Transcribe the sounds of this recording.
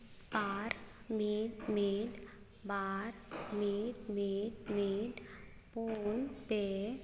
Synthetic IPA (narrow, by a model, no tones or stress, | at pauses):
paːɾmiːʈmiːɖ | baːɾmiːʈmiʈmiːɖ | punpe